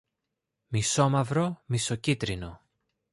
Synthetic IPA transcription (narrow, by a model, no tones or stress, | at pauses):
miso̞mɐvɾomiso̞cit̪ɾino̞